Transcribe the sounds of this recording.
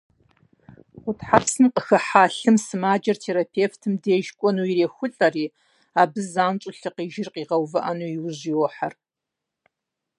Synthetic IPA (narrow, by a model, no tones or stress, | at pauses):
χʷʊtʰħapsɨmqəxɐħaːɬɨmsɨmaːd͡ʒɐrtʰeːɾapʰeːftʰɨmdeːʒkʷʼɔnuːiɾeːxʷʊɬʼɐriː | aːbɨzaːnt͡ʃʷʼʊɬɨqiːʒɪrqiːʁɐwvɨʔɐnuːjiwʑiwɔħar